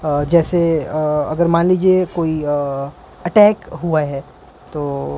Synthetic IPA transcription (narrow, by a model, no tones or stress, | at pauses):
d͡ʒɛːseɐ̰ɡəɾmaːnliːd͡ʒiekoːi | ɐʈɛːkɦuaɦɛː | t̪oː